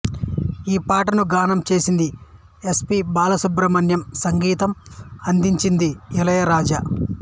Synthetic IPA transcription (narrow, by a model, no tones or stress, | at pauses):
iːpaːʈɐnuɡaːnɐmt͡ʃe̞ːsind̪i | espibaːlɐsubɾɐmɐnjɐmsɐŋɡiːt̪ɐmɐnd̪iɲt͡ʃind̪iɛlɐjɐɾaːd͡ʒa